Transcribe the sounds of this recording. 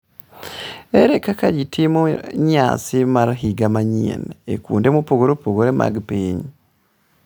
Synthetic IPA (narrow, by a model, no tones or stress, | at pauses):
eɾekakaɾitʰimuɲa̰ːt͡simaɾaɦiɡamaɲḭneekuːndemupoɡuɾopoɡuɾemʔa̰ɡpeːɲi